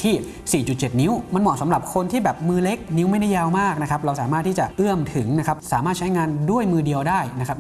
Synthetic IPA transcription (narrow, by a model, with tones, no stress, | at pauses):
t̪ʰiː˥˩ | siː˨˩t͡ɕu˨˩t͡ɕe˨˩t̪̚ni˦˥wma˧nmɔː˨˩sa˩˦mɾa˨˩p̚kʰo˧nt̪ʰiː˥˩bɛː˨˩p̚mɯː˧le˦˥k̚ni˦˥wma˥˩jda˥˩jːaː˧wmaː˥˩k̚na˦˥kʰa˦˥p̚ɾa˧wsaː˨˦maː˥˩t̪ʰːiː˥˩t͡ɕa˨˩ʔɯ˥˩əmt̪ʰɯ˩˦ŋna˦˥kʰa˦˥p̚saː˩˦maː˥˩t̪̚t͡ɕʰa˦˥jŋaː˧ndu˥˩əjmɯː˧di˧əwdaː˥˩jna˦˥kʰa˦˥p̚